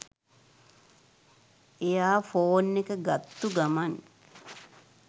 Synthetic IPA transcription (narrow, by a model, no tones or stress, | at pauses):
ejaːfoːnːekəɡat̪ːuɡaman